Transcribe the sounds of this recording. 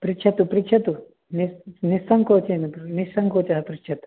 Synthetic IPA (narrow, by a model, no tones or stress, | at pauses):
pɾitt͡ʃʰɐt̪upɾikt͡ʃʰɐt̪u | ninisɐŋkoːt͡ʃennisɐŋkoːt͡ʃɐɦɐpɾitt͡ʃʰɐt̪u̥